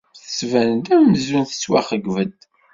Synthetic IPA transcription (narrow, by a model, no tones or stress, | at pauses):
θəsvænd̪æməzunθə̥t͡sːwaχəɡvəd̪